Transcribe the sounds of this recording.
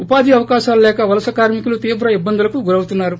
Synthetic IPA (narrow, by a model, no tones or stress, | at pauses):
upaːd̪ʱiɐʋɐkaːʃaːlulɛːkɐʋɐlɐsɐkaːɾmikulut̪iːʋɾɐibːɐnd̪ulɐkuɡuɾɐwut̪unːaːɾu